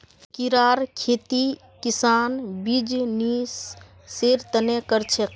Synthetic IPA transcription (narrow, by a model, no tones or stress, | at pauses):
kiɾaːɾkʰeːt̪i | kɪsaːnbid͡ʒnisː | eɾt̪ənekəɾt͡ʃʰek